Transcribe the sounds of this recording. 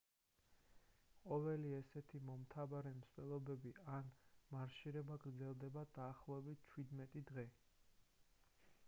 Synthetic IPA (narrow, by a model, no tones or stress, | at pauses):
qʼɔvɛliɛsɛt̪ʰimɔmt̪ʰavaɾɛmst̪ɛlˠɔbɛbianmaɾʃiɾɛbaɡɾd̪zɛlˠd̪ɛbad̪̥aːχlˠɔɛbit̪̚t͡ʃʰwid̪mɛt̪ʼid̪ʁɛ